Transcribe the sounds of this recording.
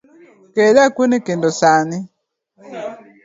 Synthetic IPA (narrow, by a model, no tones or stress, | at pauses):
kelakwunikendosani